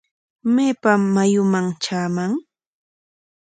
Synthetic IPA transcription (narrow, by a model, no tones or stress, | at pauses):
meːpamːajʊmaŋt͡ʃaːmaŋ